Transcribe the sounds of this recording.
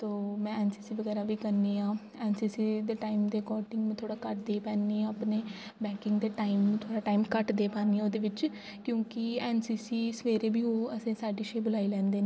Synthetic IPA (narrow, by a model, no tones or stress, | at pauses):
t̪oːmɛ̃ːɛːnsiːsiːʋəɡɛːɾaːʋiːkəɾniːãː | ɛːnsiːsiːd̪eːʈaːimd̪eːkɔːɾʈɪ̃ŋɡmẽt̪ʰoːɽaːkəʈd̪eːpɛːnːĩːəpneːbɛːkɪŋɡd̪eːʈaːɪim̃ːt̪ʰoːɽaːʈaːimkəʈd̪eːpaːniːoːd̪eːʋɪt͡ʃ | kjõːkɪɛːnsiːsiːsəʋeːɾeːbʱiːɦoːəsẽːsaːɖiːʃeːbʊlaːiːlɛ̃ːnd̪eːnː